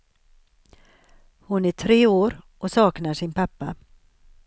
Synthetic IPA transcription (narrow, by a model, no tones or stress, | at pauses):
hʊnæʈʰɾeːoːɾʔɔsɑːknaʂɪnpʰapːa